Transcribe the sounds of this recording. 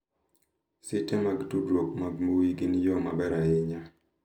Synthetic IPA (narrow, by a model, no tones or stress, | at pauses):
sɪtɛmaɡdudwok̚mamowiɡinjɔmabɛɾaɪɲa